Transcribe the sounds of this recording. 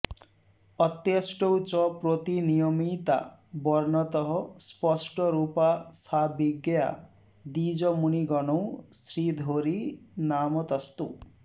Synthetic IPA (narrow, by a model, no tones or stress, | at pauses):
ɔt̪jʌsʈowt͡ʃɔpɾot̪inijɔmit̪a̰bɔɾnɔt̪ɔɦɔspɔsʈɔɾupasabiɡja̰ | d̪id͡ʒɔmuniɡɔnow̃sɾid̪ʱoɾinamɔt̪ɔst̪ṵ